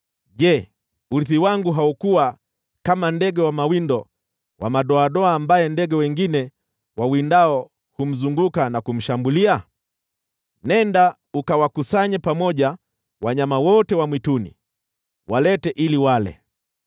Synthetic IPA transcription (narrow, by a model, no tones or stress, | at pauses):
ʄɛ | uɾiθiwaŋɡuɦaukuwa | kamandɛɡɛwamawindɔ | wʔa̰maɗɔaɗɔaːmbajɛndɛɡɛwɛŋɡinɛ | wawindaɔ | hum̩zuŋɡukanakum̩ʃambulia | nɛnda | ukawakusaɲɛpamɔʄa | waɲamawɔtɛwamwitunḭ | wʔalɛtɛʔiliwalɛ̰